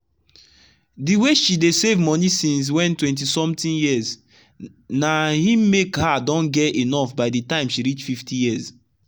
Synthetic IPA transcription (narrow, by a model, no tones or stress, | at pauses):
diweʃidesevmɔnisĩns̬wɛ̃ntwɛ̃nt̬isɔ̃mtĩnjiəz | nahĩmekhadɔ̃nɡɛtenɔfbaɪditãɪ̃mʃiɾit͡ʃfiftʰijiz